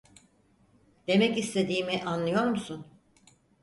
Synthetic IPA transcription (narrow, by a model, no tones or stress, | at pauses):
d̪̥e̞mɛcist̪ʰe̞d̪iːmiʔanlˠɯjo̞ɾmusun